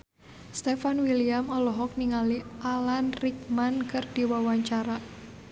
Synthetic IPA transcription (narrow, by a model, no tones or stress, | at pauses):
st̪efanwiliamɔlɔɦɔk̚niŋaliʔalanrik̚mankɨrd̥iwawaɲt͡ʃaɾa